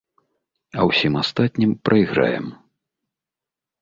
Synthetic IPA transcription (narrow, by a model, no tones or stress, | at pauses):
ɐwsʲimast̪at̪ʲnʲimpɾʔɐiɣɾa̰jɛ̰m